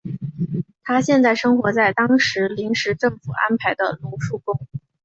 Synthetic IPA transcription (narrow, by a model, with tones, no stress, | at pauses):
t̪ʰa˥ɕjɛ˥˧nt͡sa˥˩ɪʂɤ˥ŋxwɔ˧˥t͡sa˥˩ɪt̪ɑ˥ŋʂɻ̩˧˥li˧˥ŋʂɻ̩˧˥ʈ͡ʂɤ˥˩ŋfu˨˩a̰˥npʰa˧˥ɪd̪ə̰˧lu˧˥ʂu˥˩kʊ˥ŋ